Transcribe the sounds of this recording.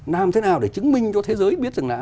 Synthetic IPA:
naː˨˩mt̪ʰe˨˦naː˨˩wɗe˧˩t͡ɕɨ˨˦ŋmï˧ŋ̟t͡ɕɔ˧t̪ʰe˨˦zəː˨˦jɓi˦˥t̚zɨ˨˩ŋlaː˧˨

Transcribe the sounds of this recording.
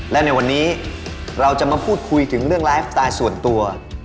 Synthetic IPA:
lɛ˦˥na˧jwa˧nːiː˦˥ | ɾa˧wt͡ɕa˨˩ʔmaː˧pʰuː˥˩t̪̚kʰu˧jt̪ʰɯ˩˦ŋɾɯ˥˩əŋlaː˦˥jf̚t̪aː˧jsu˨˩ənt̪u˧ɐ

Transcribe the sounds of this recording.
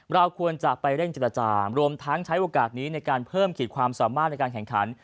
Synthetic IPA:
ɾa˧wkʰu˧ənt͡ɕa˨˩pa˧jɾe˥˩ŋt͡ɕeː˨˩ɾa˧t͡ɕaː˧ɾu˧əmt̪ʰa˦˥ŋt͡ɕʰa˦˥jʔoː˧kaː˨˩t̪̚niː˦˥na˧jkaː˧npʰɤː˥˩mkʰiː˨˩t̪̚kʰwaː˧msaː˩˦maː˥˩na˧jkaː˧nkɛ˩ŋkʰa̰˩˦n

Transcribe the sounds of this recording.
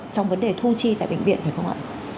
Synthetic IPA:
t͡ɕɔ˧wŋ͡mvə˨˦nɗe˨˩t̪ʰu˧t͡ɕi˧t̪a̰˧˨jɓï˧˩ŋvḭ˧ənt̪ʰːkə˧wha̰˧˨

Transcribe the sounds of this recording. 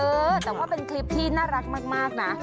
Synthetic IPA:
ʔɤː˧t̪ɛː˨˩waː˥˩pe˧nkʰli˦˥p̚t̪ʰiː˥˩naː˥˩ɾa˦˥k̪̚maː˥˩k̚maː˥˩k̚na˦˥ʔ

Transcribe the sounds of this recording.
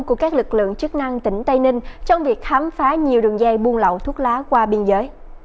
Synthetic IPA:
ku˧˩əkaː˦˥k̚lɨ˨˩k̚lɨ̰˧˨əŋt͡ɕɨ˦˥k̚na˧ŋt̪ï˨˧˩ŋ̟t̪ə˧jnï˧ŋ̟t͡ɕɔ˧wŋ͡mvi˨˩ək̚xaː˨˦mfaː˨˦ɲi˨˩əwɗɨ̰˧˨˩əŋza˧jɓu˧ənlə̰˧˨wt̪ʰu˦˥ət̚laː˨˦kwaː˧ɓi˧ənzəː˨˦j

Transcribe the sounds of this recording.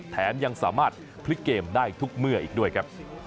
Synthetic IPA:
t̪ʰːɛː˩˦nja˧ŋsaː˩˦maː˥˩t̪̚ | pʰli˦˥kːeː˧mdaː˥˩jt̪ʰu˦˥k̚mɯ˥˩ɐʔiː˨˩k̚du˥˩əjkʰɾa˦˥p̚

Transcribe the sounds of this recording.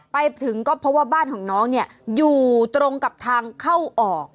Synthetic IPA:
pa˧jt̪ʰɯ˩˦ŋkɔː˥˩pʰɔ˦˥waː˥˩baː˥˩nkʰɔː˩˦ŋnɔː˦˥ŋni˥˩ɐjuː˨˩t̪ɾo˧ŋka˨˩p̚t̪ʰaː˧ŋkʰa˥˩wʔɔː˨˩k̚

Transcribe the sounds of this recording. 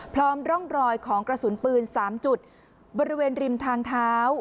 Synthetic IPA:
pʰɾɔː˦˥mɾɔ˥˩ŋɾɔː˧jkʰɔː˩˦ŋkɾa˧su˩˦npɯː˧nsaː˩˦mt͡ɕu˨˩t̪̚ | bɔː˧ɾi˦weː˧nɾi˧mt̪ʰaː˧ŋt̪ʰaː˦˥w

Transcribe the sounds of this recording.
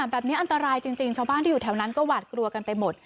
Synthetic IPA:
a˨˩˦mbɛː˨˩p̚niː˦˥ʔa˧nt̪a˧ɾaː˧jt͡ɕi˧ŋt͡ɕi˧ŋt͡ɕʰaː˧wbaː˥˩t̪ʰiː˥juː˨˩t̪ʰɛː˦˥wna˦˥nkɔː˥˩waː˨˩t̪̚kɾu˧ɐka˧npa˧jmo˨˩t̪̚

